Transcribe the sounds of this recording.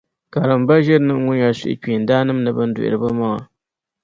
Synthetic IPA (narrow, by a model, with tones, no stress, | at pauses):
ka˨ɾɨ˨mba˦ʒɛ˦ɾnɨ˦ʔŋʊ˦ɲa˨sḭ˦ʔɪ̰˨k͡piː˨n˦daː˦nɨ˦m˦nɨ˨bɨ˦n̩˦dṵ˨ʔɪ̰˨ɾɨ˨bɨ˦ma˦ŋa˨